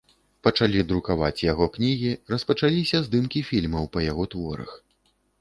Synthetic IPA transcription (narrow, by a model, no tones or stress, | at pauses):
pɐt͡ʂalʲid̪ɾukavat͡sʲjaɣɔknʲiɣʲirɐspɐt͡ʂalʲisʲɐzd̪ɨmkʲifʲilʲmɐwpɐjaɣɔt̪vɔɾɐ̰x